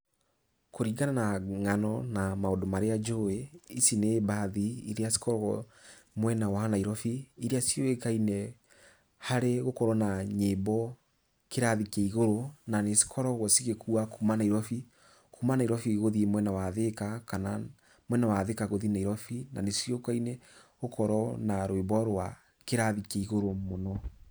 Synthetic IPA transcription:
koɾiɡananaŋanɔnamaodomaɾead͡ʒoeisinebaðiiɾeasi̥kɔɾɔɣɔ | mwɛnawaanaiɾɔfiiɾeasijoekainɛ | haɾeɣokɔɾɔnaɲebɔ | keɾaðikeiɣoɾonanesi̥kʰɔɾɔɣɔsiɣekʰuakumanaiɾɔfi | kumanaiɾɔfiɣoðiemwɛnawaðekakana | mwɛnawaðekaɣoðinaiɾɔfina̰nesjokainɛɣokɔɾɔnaɾwebɔɾwa | keɾaðikeiɣoɾomonɔ

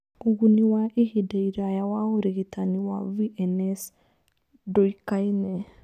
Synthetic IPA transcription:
uɣuniwaʔihidaiɾajawauɾiɣitaniwaviʔɛnɛs | dɔikainɛ

